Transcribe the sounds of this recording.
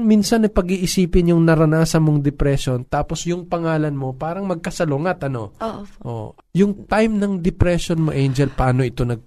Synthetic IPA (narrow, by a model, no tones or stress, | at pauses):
miːnsɐnːɐjpɐɡiːʔɪsiːpɪnjʊŋnɐɾɐnaːsɐmoŋd̪ɛpɾɛʃo̞nt̪aːpo̞sjʊŋpɐŋaːlɐnmo̞paːɾɐŋmɐɡ̚kɐsɐloŋɐt̪ʔɐno̞ʔo̰ː | jʊŋt̪ajmnɐŋd̪ɪpɾɛʃonmoʔɛjnd͡ʒɛlpaːno̞ɪt̪o̞nɐɡ̚